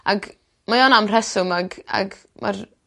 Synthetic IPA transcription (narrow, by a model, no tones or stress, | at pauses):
aɡ | majɔnamrɛsʊmaɡa̰ɡ | ma̰r